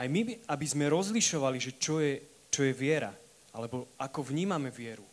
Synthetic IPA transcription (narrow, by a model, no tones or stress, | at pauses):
ajmiabizmɛɾɔzliʃɔʋaliʒɛt͡ʃɔjɛ | t͡ʃɔjɛʋɪɛɾa̰ | alɛbɔakɔvɲiːmamɛʋɪɛɾu